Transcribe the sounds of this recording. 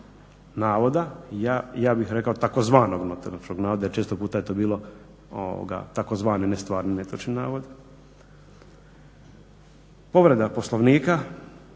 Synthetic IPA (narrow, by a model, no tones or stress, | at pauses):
naːʋo̞d̪ajajaːbixɾe̞kaot̪akozʋaːno̞ɡnot̪elat͡ʃkoɡnaːʋod̪ajeɾt͡ʃest̪opuːt̪ajet̪o̞ːbiːlˠo̞ | o̰ʋo̰ɡa̰t̪ako̞zʋaːninest̪ʋaːɾninet̪ot͡ʃninaːʋod̪ | po̞ʋɾe̞d̪aposloʋniːka